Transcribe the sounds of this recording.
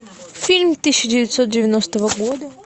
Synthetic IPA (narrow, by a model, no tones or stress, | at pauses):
fʲilʲmʲt̪ɨɕːɪdʲɪvʲɪt̪ʲsot̪̚dʲɪvʲɪnost̪əvəɡo̞d̪ə